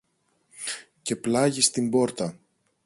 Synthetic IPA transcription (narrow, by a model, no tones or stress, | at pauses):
ce̞plɐʝist̪imbo̞ɾt̪ɐ